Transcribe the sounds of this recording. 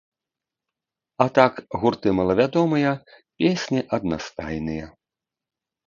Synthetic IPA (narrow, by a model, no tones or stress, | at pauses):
at̪akɣurt̪ɨmɐlˠɐvʲad̪ɔmɨjɐ | pʲesʲnʲiʔɐd̪na̰st̪a̰jnɨjɐ